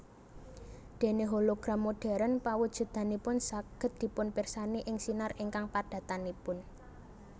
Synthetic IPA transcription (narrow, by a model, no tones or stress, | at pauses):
d̪̥e̤neɦoloɡ̥ɾa̤mːoɖ̥ɛ̤ɾənpawud̥ʒ̥ṳd̪̥a̤nipʊnsaɡ̥ə̤t̪̚d̪̥i̤pʊnpɪrsaniʔɪŋsinarʔiŋkaŋpad̪̥ä̤t̪anipʊn